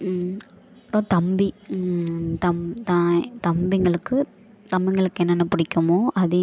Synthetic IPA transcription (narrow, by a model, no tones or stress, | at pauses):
pɾot̪ɐmbi | t̪ɐmt̪at̪ɐmbɪŋɡɐɭɯkːɯ | t̪ɐmbɪŋɡɐɭɯkːɯɛnːɐnːɐpɪɽɪkʲːɐmoːʔɐðɯ